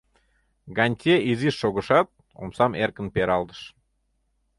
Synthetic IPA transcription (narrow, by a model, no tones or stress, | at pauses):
ɡɑnʲt̪ʲeʔiziʃːoɣə̆ʃɑt̪̚ | o̰msɑmerkə̆npeɾɑld̪ə̥ʃ